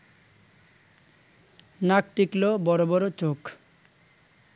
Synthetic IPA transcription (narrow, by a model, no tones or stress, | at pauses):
nakʈiklobɔɾobɔɾot͡ɕok